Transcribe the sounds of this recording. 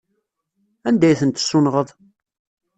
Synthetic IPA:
ænd̪æjθənt̪sːʊnʁəðˤ

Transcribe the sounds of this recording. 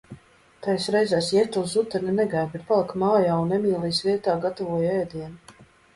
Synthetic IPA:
t̪ajsɾɛjzaːsjɛt̪ulˠsut̪ɛɾninɛɡajbɛt̪̚palˠikmaːjaːunːɛmiːlˠiːsviɛt̪aːɡat̪avuɔjɛːd̪iɛn

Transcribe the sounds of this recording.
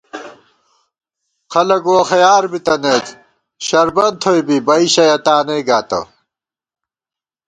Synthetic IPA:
xɐlɐɡoxɐjaːɾbit̪ɐnet̪ | ɕɐɾbɐnt̪ʰojbibɐiɕɐjɐt̪aːnejɡaːt̪ɐ̰

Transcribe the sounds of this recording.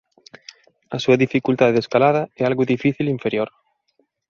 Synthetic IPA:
a̰suaðifikult̪aðeskalaðɐɛalɣʊðifiθiliɱfeɾjoɾ

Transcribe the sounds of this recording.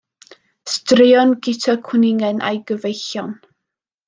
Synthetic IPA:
strɪɔnɡɪtʰakʰwənɪŋɛnʔa̰jɡəvejɬjɔn

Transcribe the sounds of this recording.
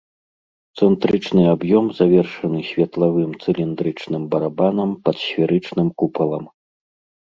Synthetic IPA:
t̪sɛnt̪ɾɨt͡ʂnɨabjɔmzavʲɛrʂɐnɨsʲvʲɐt̪lˠavɨmt̪sɨlʲind̪ɾɨt͡ʂnɨmbɐɾabanɐmpɐt̪sʲvʲɛɾɨt͡ʂnɨmkupɐlˠɐm

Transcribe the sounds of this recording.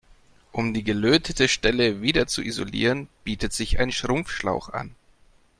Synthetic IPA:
ʔʊmdiːɡəløːtʰətəʃtɛləviːdɐt͡suʔizo̰lḭːʁənb̥iːtətz̥ɪça̰ɪnʃʁ̥ʊmfʃlaʊxʔa̰n

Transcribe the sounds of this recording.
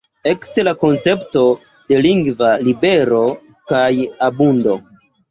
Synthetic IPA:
e̞kstelako̞nt͡se̞pto̞ | de̞liŋɡvalibe̞ɾo̞ | kajabundo̞

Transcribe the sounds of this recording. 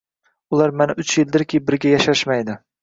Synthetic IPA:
ulˠaɾmanɪʔʊt͡ʃjɪld̪ɪɾkʲʰibɪɾɡʲajaʃaʃmajd̪ɪ

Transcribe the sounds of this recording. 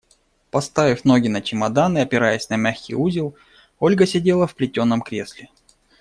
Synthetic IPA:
pɐst̪avʲɪfʲno̞ɡʲɪnət͡ɕɪmɐd̪anɨɐpʲɪɾajɛsʲnɐmʲaxkʲɪ̰juzʲɪlˠ | o̞lʲɡəsʲɪdʲe̞lˠəfplʲɪtʲo̞nːəmkɾʲesʲlʲɪ

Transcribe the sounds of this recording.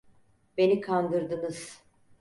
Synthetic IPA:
be̞nikʰand̪ɯɾd̪ɯnɯz̥

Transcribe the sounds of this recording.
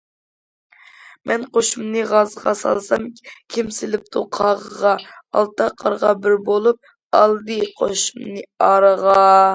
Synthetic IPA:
mʔɛnqoʃumnɨʁɑzʁɑ̰sɑ̰lˠsɑmkʲʰimsɪlɪp̚t̪ʰuqʰɑʁəʁɑɑ̰lˠt̪ɑqʰɑɾʁɑbɪɾbolˠup̚ | ɑlˠd̪ɨqʰoʃumnɨɑɾəʁɑ

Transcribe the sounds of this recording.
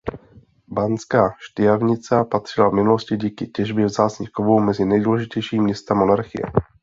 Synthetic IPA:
bant͡skaːʃt̪ɪjavɲɪt͡sapat̪r̝̥ɪlavmɪnuloscɪɟiːkɪcɛʒbjɛvzaːt͡sɲiːxkovowmɛzɪnɛjduːlɛʒɪcɛjʃiːmɲɛst̪ɛmːonaɾxɪ̰jɛ̰

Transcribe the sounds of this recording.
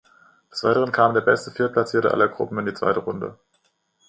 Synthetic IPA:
d̥ɛsv̥a̰ɪtəʁənkʰaːmndeːɐbɛstəfɪɐt̚pʰlat͡siːɐtə̰ʔa̰lɐɡʁʊ̰pm̩ɪndiːt͡sv̥a̰ɪtəʁʊndə̰

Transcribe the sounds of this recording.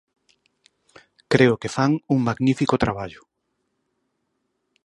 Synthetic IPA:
kɾeʊkefaŋuŋmaɣnifikot̪ɾaβaʎʊ

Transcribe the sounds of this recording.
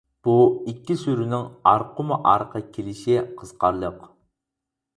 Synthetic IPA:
b̥uikʲːisyɾynɪŋɑɾqʰʊmuʔɑɾqʰɑkʲʰelɪʃiqʰəz̥qʰɑɾlˠəq

